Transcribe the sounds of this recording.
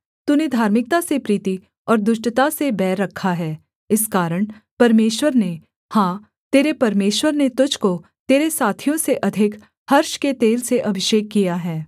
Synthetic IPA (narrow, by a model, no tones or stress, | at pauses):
t̪uːned̪ʱaːɾmɪk̚t̪asepɾiːt̪i | ɔːɾd̪ʊʃʈət̪asebɛːɾːɐkʰːaɦɛː | ɪskaːɾəɽ̃pɐɾmeːʃwəɾne | hãː | t̪eːɾepɐɾmeːʃwəɾnet̪ʊd͡ʒko | t̪eːɾesaːt̪ʰijõseʔɐd̪ʱɪk | hɐɾʃket̪eːlseʔɐbʱɪʃeːkːijaɦɛː